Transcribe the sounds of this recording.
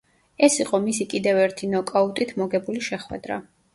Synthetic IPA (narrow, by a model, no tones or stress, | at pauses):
ɛsiqʼɔmisikʼid̪ɛvɛɾt̪ʰinɔkʼaut̪ʼit̪ʰmɔɡɛbuliʃɛχwɛ̰d̪ɾa̰